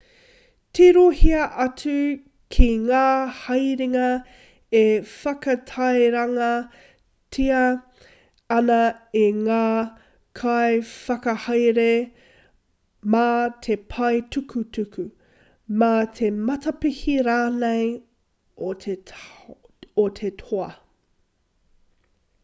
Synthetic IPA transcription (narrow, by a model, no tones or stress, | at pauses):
tʰiɾohiɐʔɐtʉ | kʰiŋaːhɐjɾiŋɐ | efɐkɐtʰɐjɾɐŋɐ | tʰiɐ | ɐnɐiŋaː | kʰajfɐkɐhɐjɾe | matʰe̞pʰɐjtʰukʰutʰʉkʰʉ | matʰemɐtɐpihiɾaːnej | otʰe | otʰetʰoɐ